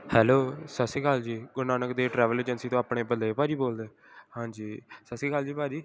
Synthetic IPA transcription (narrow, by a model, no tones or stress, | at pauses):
hɛːloːsəsĩːkaːld͡ʒiːɡʊnaːnəkd̪eːʈɾɛːʋəleːd͡ʒənsiːt̪õːaːpɽeːpəd̪leːpaːd͡ʒiːboːld̪eː | hãːd͡ʒiːsəsĩːkaːld͡ʒiːpaːd͡ʒiː